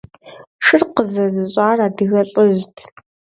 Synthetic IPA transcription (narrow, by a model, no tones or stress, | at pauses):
ʃɨrqəzɐzɨɕʼaːraːdɨɣɐɬʼɨʑtʰ